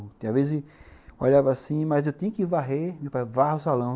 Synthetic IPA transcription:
ʊt̪avezɪɔʎavɐːsĩmɐzewt̪ĩɲɐkɪvaɦemewpajvahʊsalɐ̃

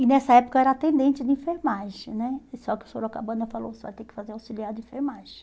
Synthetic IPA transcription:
ɪnɛsɐɛpʊkɐɛɾɐat̪ẽnd̪ẽnt͡ʃɪd̪ɪĩfeɾmaʒɪ̃nɛsɔkɪʊ̥soɾakabɐ̃nd̪ɐfalo̰wsɪva̰jt̪ẽkɪ̥fazeɾawsiliaɾd̪ɪĩfeɾmaʒɪ

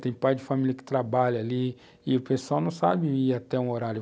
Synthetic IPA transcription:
t̪ẽj̃pajd͡ʒɪfamilʲiɐkɪ̥t̪ɾabaʎɐali | ɪʊpesuawnɐ̃w̃sa̰bɪiat̪ɛũoɾaɾjʊ

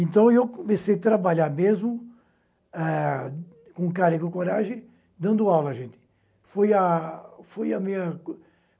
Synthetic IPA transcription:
ẽnt̪ɐ̃w̃ewkomesejat̪ɾabaʎaɾmezmʊ | ɛ | kõkaɾiɡʊkoɾaʒẽ | d̪ɐ̃nd̪ʊawlɐʒẽnt̪ɪ̥ | fojɐfojɐmĩɲɐ

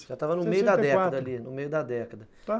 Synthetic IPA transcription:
ʒat̪avɐnʊmejʊd̪ɐd̪ɛkkɐd̪ɐlinʊmejʊd̪ɐd̪ɛkɐd̪ɐ | a

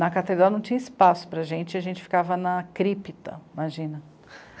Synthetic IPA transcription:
nɐkat̪ed̪ɾawnɐ̃w̃t͡ʃĩɲɐispasʊ̥pɾɐʒẽnt͡ʃɪɐʒẽnt͡ʃɪfi̥kavɐnɐkɾipit̪ɐ̰imaʒĩnɐ

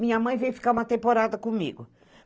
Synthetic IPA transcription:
mĩɲɐmɐ̃j̃vejfi̥kaɾumɐt̪ẽmpoɾad̪ɐkõmḭɡʊ

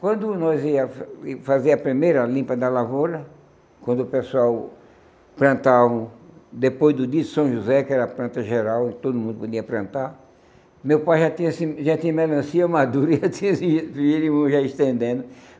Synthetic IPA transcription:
kwɐ̃nd̪ʊnɔziɐffaziɐpɾimejɾɐlĩmpɐd̪ɐlavoɾɐ | kwɐ̃nd̪ʊʊpesuaw | pɾɐ̃nt̪avɐ̃d̪epojzd̪ʊd̪iɐd̪ʊsɐ̃w̃ʒuzɛkɪɛɾɐɐplɐ̃nt̪ɐʒeɾawẽt̪od̪ʊmũnd̪ʊpod̪iɐpɾɐ̃nt̪aɾ | mewpajʒat̪ĩɲɐsɪʒat̪ĩɲɐmelɐ̃siɐmad̪uɾiat̪ĩɲɐsiilimɐ̃ʒaɪst̪ẽnd̪ẽnd̪ʊ

